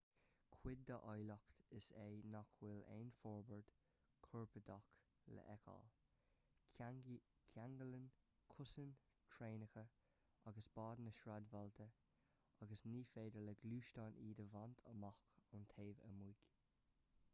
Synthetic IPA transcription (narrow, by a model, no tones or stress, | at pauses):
kʰwɪd̚dəʔɔjlɔkt̪əsenɔkʰwɪlḛːnfɔɹbəɹd̥ | kʰɔɹpədɔk | lə̰ʔɛkʰɔ̰l | kʰaŋɡələnkʰʊsən | tʰɹeːnəxə | aɡəsb̥ɑːdənəʃɹadvɔlt̪ʰə | aɡəsniːfeːdələɡluːʃtaniːdəvantʰə̰mɔkʊntʰeːvə̰mujɡ̥